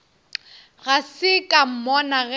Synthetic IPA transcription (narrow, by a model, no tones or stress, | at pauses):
ɣasɪkʼam̩mɔnaɣɛ